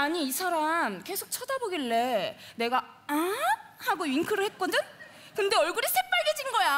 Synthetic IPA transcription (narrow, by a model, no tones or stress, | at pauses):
aɲiːsʰaɾamke̞sʰok̚t͡ɕʰʌdaboɡiɭːe̞ne̞ɡa | ahaɡoɥiŋkʰɯɾɯɭhet̚k͈ʌdɯn | kɯnde̞ʌɭɡuɾisʰe̞p͈aɭɡe̞d͡ʑinɡʌja